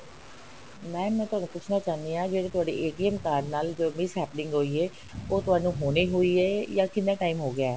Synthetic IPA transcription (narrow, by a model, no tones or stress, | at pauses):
mɛ̃ːmɛ̃ːt̪ʊɦaːnũːpʊt͡ʃʰnaːt͡ʃaːnd̪iːãːd͡ʒeːɽeːt̪ʊɦaːɖḛːʔeːʈiːɛːmkaːɖnaːld͡ʒoːmɪsɦɛːpənɪ̃ŋɡɦoːiːɛː | oːt̪ʊɦaːnũːɦoːniːɦoːiːɛːjãːkɪnd̪aːʈaːiːmɦoːɡɪaːɛː